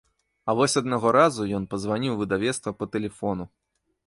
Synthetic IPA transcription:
ɐvɔsʲɐd̪̚naɣɔɾazujɔnpɐzvanʲiwvɨd̪avʲɛt̪st̪vɐpɐt̪ɛlʲɛfɔnu

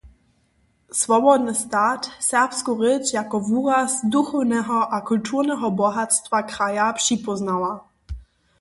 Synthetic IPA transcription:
svɔbɔd̪nəst̪aːtsɛʁpskuʁɛt͡ʃjakɔvuːʁasd̪uxɔwnɛɦɔʔakult̪ʰuʁnɛɦɔbɔɦat̪st̪vakɾajapʂipɔznawa

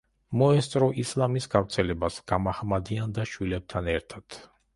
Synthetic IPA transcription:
mɔɛst̪sʼɾɔislˠamisɡavɾt̪sʰɛlɛbasɡ̥amaχmad̪iand̪aʃwilɛp̚t̪ʰanɛɾt̪ʰat̪

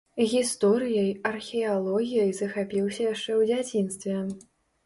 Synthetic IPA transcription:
ɣʲist̪ɔɾɨjɐjɐrxʲɛalˠɔɣʲijɐjzɐxapʲiwsʲɐjaʂt͡ʂɛwd͡zʲat͡sʲinst̪vʲɛ

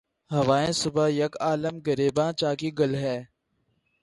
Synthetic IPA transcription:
ɦəʋaːẽːsʊbajɐkaːləmɡəɾeːbãːt͡ʃaːkiːɡəlɦɛː

